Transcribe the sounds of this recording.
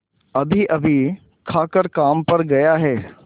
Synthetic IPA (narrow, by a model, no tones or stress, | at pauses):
ɐbʱiʔɐbʱi | kʰaːkəɾkaːmpɐɾɡɐjaɦɛː